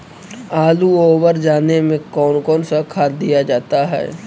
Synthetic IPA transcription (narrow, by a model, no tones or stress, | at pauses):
aːluoːʋəɾd͡ʒaːnemẽkɔːnkɔːnsakʰaːɾd̪ijad͡ʒaːt̪aɦɛ̰ː